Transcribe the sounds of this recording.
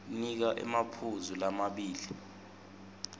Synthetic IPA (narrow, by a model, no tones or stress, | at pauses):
nik̬aʔɛ̰mapʰuzulamaɓiːli